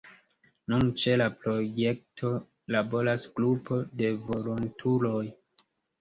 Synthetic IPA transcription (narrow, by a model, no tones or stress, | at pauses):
nunt͡ʃe̞lapɾo̞je̞k̚tʰo̞ | labo̞ɾasɡɾupʰo̞de̞vo̞lontʰulo̞j